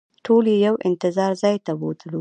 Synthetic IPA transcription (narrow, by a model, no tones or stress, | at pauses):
ʈʰolejawɪ̰nt̪ɪzɑɾzɑjt̪awot̪əlu